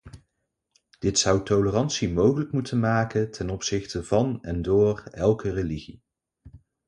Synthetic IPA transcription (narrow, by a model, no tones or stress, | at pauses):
d̥ɪtsʌwtolərɑntsimowχələkmutʰənmaːkəntʰɛnɔpsɪχtəv̥ɑnɛndʊːrɛlˠkəreliχi